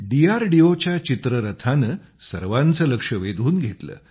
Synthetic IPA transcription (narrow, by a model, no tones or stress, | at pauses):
ɖiaɾɖiot͡ɕjat͡ɕit̪ɾəɾət̪ʰanəː | səɾʋant͡səːləkʂəʋed̪ʱuːnɡʱet̪lə̰ː